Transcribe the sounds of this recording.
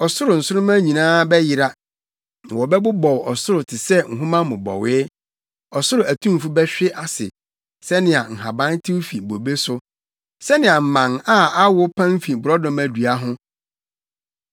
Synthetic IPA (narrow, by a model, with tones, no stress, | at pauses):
ɔ˨sʊ˦ɾʊ˨n̩˨sʊ˦ʊ̃˦mã˦ɲĩ˨nãː˦bɛ˦jɪ˨ɾa˦ | ã˨wɔ˨bɛ˦bʊ˦bɔ˨wɔ˨sʊ˦ɾʊ˨tʰɪ˨sɛ˦ŋ̩˨ɦʊ̃˦mã˦mʊ̃˨bɔ̰˨wɪː˦ | ɔ˨sʊ˦ɾʊ˨æ˨tʰũ˦m˨fu˦bɛ˦ɕᶣɪ˦ʔa˨sɪ̰˨ | sɛ˦nɪ̃˨a˨ŋ̩˨ɦa˨bã˦n˦tʰɪ˦wfi˨bo˨be˦sʊ˦ | sɛ˦nɪ̃˨a˨m̩˨mã˨na˦a˦wʊ˦pʰã˦m̩˦fi˨bʊ˨ɾɔ˦dɔ̃˨mæ˨du˨a˦ɦʊ̃˦